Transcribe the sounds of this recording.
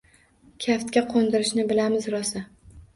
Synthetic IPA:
kʲʰaft̪̚kʲaqʰond̪ɪɾɪʃnɪbɪlamɪzɾɒsa

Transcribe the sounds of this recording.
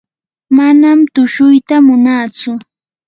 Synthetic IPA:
manamt̪ʊʃʊjt̪amʊnaːt͡sʊ

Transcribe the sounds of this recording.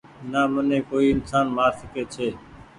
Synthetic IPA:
naːmənẽːkoːiːɪnsaːnmaːɾsɪkeːt͡ʃʰeː

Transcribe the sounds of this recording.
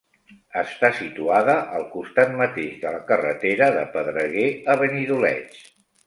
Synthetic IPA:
əst̪asit̪uaðəʔəlˠkust̪at̪̚mət̪eʃðələkərət̪eɾəðəpəðɾəɣeəβəniðulɛ̰t͡ʃ

